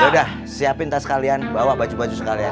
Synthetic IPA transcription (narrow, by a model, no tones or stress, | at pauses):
odah | siapɪnt̪asə̥kalianbawabad͡ʒubad͡ʒusəkalia